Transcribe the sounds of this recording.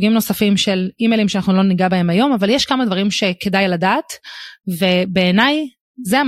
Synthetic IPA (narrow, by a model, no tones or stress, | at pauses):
ɡimno̞safimʃe̞limelimʃeanaχnulo̞niɡabae̞majo̞mavaljɛʃkamad̪vaʁimʃe̞ke̞dajladaːtve̞be̞ːnaj | zea